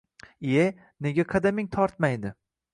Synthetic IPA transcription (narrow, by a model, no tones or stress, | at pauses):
e | ne̞ɡʲaqʰɑd̪amɪŋt̪ʰɒɾt̪majd̪ɪ